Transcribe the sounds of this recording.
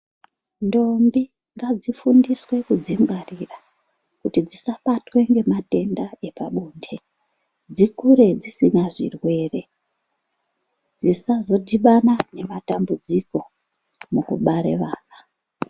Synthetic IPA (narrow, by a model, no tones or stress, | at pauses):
ndo̞mbi | ŋɡad͡zifundiswe̞kud͡zimbarira | kutid͡zisapatwe̞ŋɡe̞mate̞ndae̞paɓuːnde̞ | d͡zikuɾe̞d͡zisinaʐḭrwe̞ːre̞ | d͡zisazo̞diɓanane̞matambud͡ziko̞ | mukṵɓaɾḛʋaːna